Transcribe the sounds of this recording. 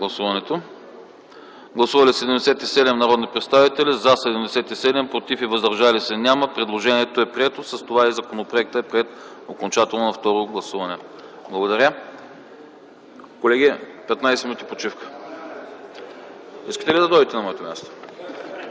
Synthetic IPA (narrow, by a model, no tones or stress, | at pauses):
ɡlˠɐsuvɐnɛt̪o | ɡlˠɐsuvɐlisɛd̪ɛmd̪ɛsɛt̪isɛd̪ɛmnɐɾɔd̪nipɾɛt̪st̪avit̪ɛlizɐsɛd̪ɛmd̪ɛsɛt̪isɛd̪ɛmpɾot̪ifivɐzd̪ɐɾʒalisɛnʲaməpɾɛd̪lˠoʒɛnʲiɛt̪oɛpɾiɛt̪osɐst̪ovaizɐkonopɾoɛk̚t̪əɛpɾiɛt̪okont͡ʃat̪ɛlˠnonɐft̪ɔɾoɡlˠɐsuvɐnɛblˠɐɡod̪ɐɾʲə | kolɛɡʲipɛt̪najsɛminut̪ipot͡ʃifkə̥ | ḭskə̥t̪ɛlid̪ɐd̪ɔjd̪it̪ɛnɐmɔɛt̪omʲja̰st̪o̥